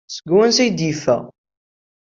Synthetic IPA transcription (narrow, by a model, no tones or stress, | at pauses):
səɡwənsæjd̪ifæ̰